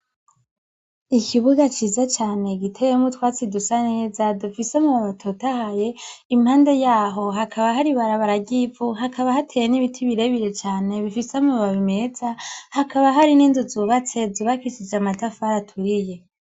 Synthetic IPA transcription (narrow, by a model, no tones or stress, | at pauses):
ikʰiβuɡat͡ʃiːzat͡ʃaːne̞ɡitʰejemutwaːt͡sidusane̞ːzadufisemuβaβatʰotahaje̞imhaːnde̞jaːɦo̞ɦakʰaβaɦaɾiβaɾaβaɾaɡivuɦakʰaβahatʰejeniβitʰiβiɾe̞βiɾe̞t͡ʃaːne̞βifisamuβaβime̞z̥ahakaβaɦaɾiniːnzuzuːβat͡se̞zuːβakisid͡ʒamatafahaɾatʰuɾije̞